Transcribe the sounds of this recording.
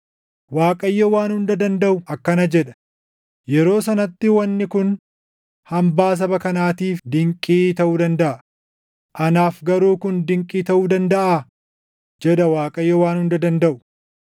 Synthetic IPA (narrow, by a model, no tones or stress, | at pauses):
waːkʼɐjːɐwaːnhʊnd̪ɐd̪ɐnd̪ɐʔʊʔɐkːɐnɐd͡ʒɛᶑɐ̥ | jɛɾo̞ːsɐnɐt̪ːɪwɐnːɪkʊn | hɐmbaːs̬ɐbɐkɐnaːt̪iːfd̪ɪŋkʼiːt̪ɐʔuːd̪ɐnd̪ɐʔɐ | ʔɐnaːfɡɐɾuːkʊnd̪ɪŋkʼiːt̪ɐʔuːd̪ɐnd̪ɐʔaː | d͡ʒɛᶑ̪ɐwaːkʼɐjːɛwaːnhʊnd̪ɐd̪ɐnd̪ɐʔʊ̥